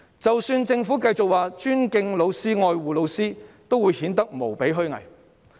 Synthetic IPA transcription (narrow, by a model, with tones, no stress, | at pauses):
t͡sɐ˨wsyː˧nt͡sɪ˧ŋfuː˨˥kɐ˧jt͡sʊ˨k̚waː˨t͡ʃyː˥nkɪ˧ŋlo˨˧wsiː˥ŋɔː˧jwuː˨lo˨˧wsiː˥t̪o˥wːuː˨˧jhiː˨˥nt̪ɐ˥k̚mo˨˩wpe˨˥jɦɵ˥ɥŋɐ̰˨˩j